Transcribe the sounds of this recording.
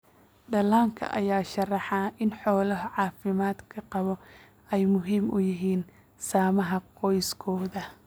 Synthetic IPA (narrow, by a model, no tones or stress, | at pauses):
ɖɐlaːŋkʰɐ̰ʔɐ̰jaːʃɐrɑħɑʔɪnħɔːlɐɦɐʕɑːfɪmaːd̪kʰɐqɑβɔ | ɛjmʊɦiːmʊ̰jɪɦiːn | saːmɐɦɐqɔjskʰɔːðɐ